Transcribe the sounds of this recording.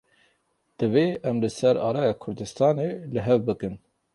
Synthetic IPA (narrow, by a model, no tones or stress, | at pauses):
d̪̥ɨveːʔɛmlɨsɛɾɑ̰ːɾɑːjɑːkʰʊɾd̪ɨst̪ɑːnelɨɦɛvbɨkɨn